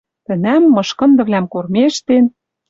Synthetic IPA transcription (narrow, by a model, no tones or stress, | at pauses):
t̪ɘ̆næmːɤ̆ʃkɤ̆nd̪ɤ̆βlʲæmkormeʃt̪en